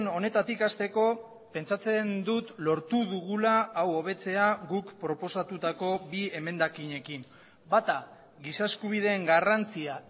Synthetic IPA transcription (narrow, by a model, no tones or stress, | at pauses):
no̞ne̞t̪at̪ikast̪e̞ko̞ | pe̞nt͡sat͡se̞nd̪ut̪lo̞ɾt̪uðuɣ̞ulaːwo̞β̞e̞t͡se̞aɣukpɾo̞po̞sat̪ut̪ako̞bie̞me̞nd̪akiɲe̞kim | bat̪a | ɣisaeskuβ̞ið̞e̞ːŋɡarant͡sia